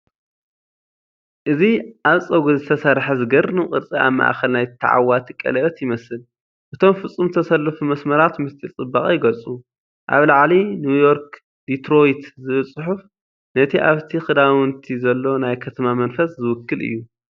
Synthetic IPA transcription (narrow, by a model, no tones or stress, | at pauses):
ʔɨziʔaβsʼɐɡuzɨt̪ʰɐsɐɾħazɨɡɐɾnɨkʼɨɾt͡sʼia̰βma̰ʔa̰xɐlnajt̪ʰɐ̰ʕa̰wat̪ʰikʼɐ̰lɐt̪jɪmɐsɨl | ʔɨt̪ʰo̞mfɨsʼumt̪ʰɐsɐlːɨfumɐsmɐɾat̪mɨst̪ʼit͡sʼɨbːakʼjɪɡɐlt͡sʼu | ʔa̰βlaʕlinjujo̞ɾk | d̪it̪ɾo̞jt̪zɨβlsʼʊħuf | nɐt̪ʰiʔaβt̪ʰixɨd̪awɨnt̪ʰizɐlːo̞najkʰɐt̪ʰɐmamɐnfɐszɨwʊkːɨlʔɨ̰jːu